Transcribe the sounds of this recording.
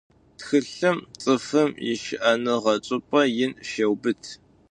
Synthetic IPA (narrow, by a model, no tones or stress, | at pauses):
txɨɬɨmt͡sʼɨfɨmjɪ̰ʃɪʔɐnɨʁɐt͡ʃʼɨpʼɐjɪnʃɐwbɨtʰ